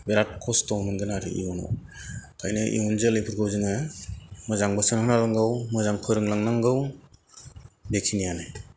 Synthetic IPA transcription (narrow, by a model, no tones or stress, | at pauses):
beɾat̚kʰɔstɔwmɯnɡɯnaɾɯ̰ḭunɔ̰ | kʰajnɯʔḭunzelɯjpʰɯɾɡʰɯwzɯŋɯ | mɯzaŋbɯsɯnhɯnalɯŋɡɯwmɯzaŋpʰɯjɾɯŋlaŋnaŋɡɯw | bekʰinijanɯj